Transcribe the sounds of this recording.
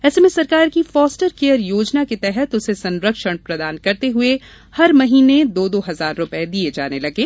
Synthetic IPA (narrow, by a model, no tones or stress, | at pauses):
ɛːsemẽsɐɾkaːɾkifɔːsʈəɾkeːjəɾjoːd͡ʒnaket̪ɛɦɛt̪ʊsesɐ̃nɾəkʃəɽ̃pɾɐd̪aːnkɐɾt̪eɦʊe | hɐɾmɐɦiːned̪oːd̪oːɦɐzaːɾːʊpɛed̪ied͡ʒa̰ːnelɐɡeː